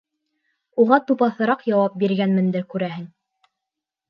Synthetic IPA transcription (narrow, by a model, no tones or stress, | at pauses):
uʁɑt̪upɑθɤ̆ɾɑqjɑwɑp̚biɾɡænmɘ̆nd̪ɘɾkʉɾæɦɘŋ